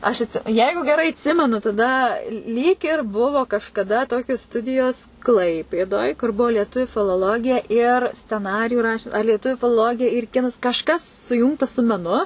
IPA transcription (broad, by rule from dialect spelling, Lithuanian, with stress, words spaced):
ɐʃ ɐtʲˈsʲɪ ˈjɛɪɡʊ ɡʲɛˈrɐɪ ɐtʲˈsʲɪmʲɛnʊ tɐˈdɐ lʲiːk ɪr ˈbʊʋoː kɐʃkɐˈdɐ ˈtoːkʲoːs ˈstʊdʲɪjoːs ˈklˠɐɪpʲeːdoːj kʊr ˈbuɔ lʲiɛˈtʊʋʲʊ fʲɪlˠoːˈlˠoːɡʲɪjɛ ɪr sʲt͡sʲɛˈnɑːrʲɪjʊ ˈrɑːʃʲɪm ˈɐr lʲiɛˈtʊʋʲʊ fʲɪlˠoːˈlˠoːɡʲɪjɛ ɪr ˈkʲɪnɐs kɐʃˈkɐs sʊˈjuːŋktɐ sʊ mʲɛˈnʊ